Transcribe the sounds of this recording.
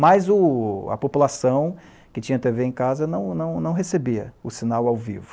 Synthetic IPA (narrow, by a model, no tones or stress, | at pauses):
majzʊɐ̰populasɐ̃w̃ | kɪt͡ʃĩɲɐt̪eveẽkazɐnɐ̃w̃nɐ̃w̃nɐ̃w̃ɦesebiɐʊsinawawvḭvʊ